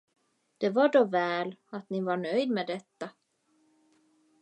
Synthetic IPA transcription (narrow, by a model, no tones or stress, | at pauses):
d̪̥ɛvaɖɔvɛːlat̪nɪvaɳœjd̪mɛːd̪ɛt̪ːa